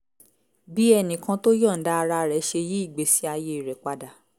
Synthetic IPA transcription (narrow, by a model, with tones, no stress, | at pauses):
bi˦ɛ˧nĩ˨kã˧to˦jɔ˦˨n̩˦da˦a˧ɾa˧ɾɛ˨˦ʃe˧ji˦i˦˨ɡ͡be˨˦si˦a˧je˦i˨ɾɛ˨k͡pa˧da˨